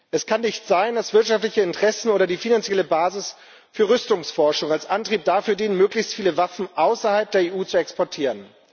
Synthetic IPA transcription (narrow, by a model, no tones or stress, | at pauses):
ʔɛskʰanːɪçtz̥aɪndasv̥ɪɐtʃaftlɪçəɪntəʁ̥ɛsn̩oːɾɐdiːfinant͡sjɛləbaːzɪs | fyːɐʁʏstʊŋsfɔɐʃʊŋalsʔantʁ̥iːp̚d̥aːfyːɐdiːnənmøːklɪçstfiːləvafn̩ʔaʊsɐhalp̚d̥eːɐeːʔuːt͡suɛkspɔɐtʰiːʁən